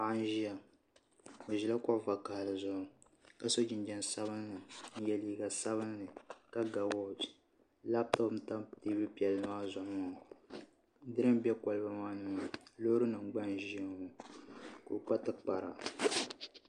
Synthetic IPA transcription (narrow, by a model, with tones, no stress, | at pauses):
a˨ʔa˦n˦ʒi˦ja˨ | o˨ʒi˨la˦kɔ˦ʔva˨ka˨lɨ˨zʊ˦ʔʊ˨ | ka˨so˦d͡ʒɪ˨nd͡ʒɛ˨nsa˦βɨ˦nːɨ˨n̩˦jɛ˨liː˦ɡa˨sa˦βɨ˦nːɨ˨ka˦ɡa˨wɔ˦˨d͡ʒ | la˦p̚tɔ˦pm̩˦ta˦mteː˦bɨ˦pi˨ɛ˨lɨ˨˦maː˦zʊ˨˦˨ | dɨ˦ɾɨ˦m˦bɛ˦kɔ˨lɨ˦ba˦maː˦nu˦˨lo˦ɾɨ˦nɨ˨ŋ͡mɡ͡ba˦nʒi˦a˨˦ŋo˨ | ko̰˨k͡pa˦tɨ˦k͡pa˨ɾa̰˨